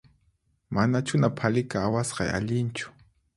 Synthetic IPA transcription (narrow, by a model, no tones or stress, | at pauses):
manat͡ʃʊnapʰalɪkaːwasqɑja̰ʎɪnt͡ʃʊ̥